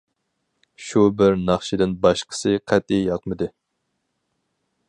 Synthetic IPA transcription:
ʃubɪɾnɑχʃɪd̪ɪnbɑʃqʰə̥sɨqʰɛt̪ijjɑq̚mɨd̪ɨ

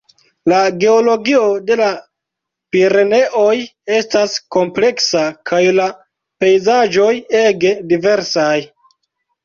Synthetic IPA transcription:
laɡe̞olo̞ɡio̞de̞la | piɾe̞ne̞ʔo̞je̞stasko̞mple̞ksakʰajla | pe̞jzaʒo̞je̞ɡe̞dive̞ɾsaj

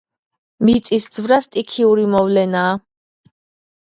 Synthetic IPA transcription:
mit̪sʼisd̪z̥vɾast̪ʼikʰiuɾimɔvlɛnaː

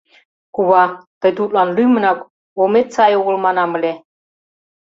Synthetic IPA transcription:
kuβɑt̪ɤ̆jt̪ut̪̚ʼlɑnlymə̆nɑk | omet̪̚t͡sɑjoɣə̆lmɑnɑmə̆lʲe

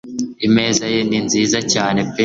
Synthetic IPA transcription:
ime̞ːzajeninziːzacaːne̞pe

